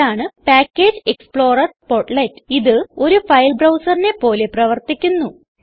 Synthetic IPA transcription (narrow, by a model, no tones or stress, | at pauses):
aːɳɨpaːkʲːe̞ːd͡ʑɨekspɭo̞ːrɐrspo̞ːʈlɐjtːɨ̥iðɨo̞ɾufɐjlbrɐwsɐrine̞pːo̞ːle̞prɐʋɐrt̪ikʲːunːu